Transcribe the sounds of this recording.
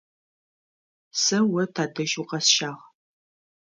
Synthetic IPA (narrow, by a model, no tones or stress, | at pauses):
sɐwɐtʰaːdɨʒuqɐsʃaːʁ